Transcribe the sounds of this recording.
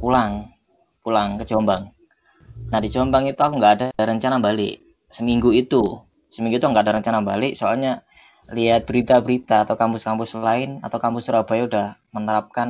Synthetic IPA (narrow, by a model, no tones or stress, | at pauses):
kulaŋ | kulaŋkəd͡ʒombaŋ | nahdid͡ʒombaŋit̪uakuŋɡaadaaɾəɲt͡ʃanambalɪ̰ʔ | səmiŋɡuit̪u | səmĩŋɡuit̪uŋɡaʔadaɾəɲt͡ʃanambalɪʔsoalɲa | liat̪̚b̥əɾit̪abəɾit̪aːt̪awkampʊskampʊslaɪna̰t̪awkampʊsɾab̥ajudahmənəɾap̚kan